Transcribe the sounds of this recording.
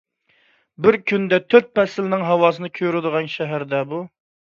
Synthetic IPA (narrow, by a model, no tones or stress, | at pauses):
bɪɾkʲʰynd̪ɛt̪ʰøt̪̚pɛsɪlnɪŋɦɑwɑːsɨnɨkʲʰøɾɪd̪əʁɑnʃɛɦæɾd̪ɛbu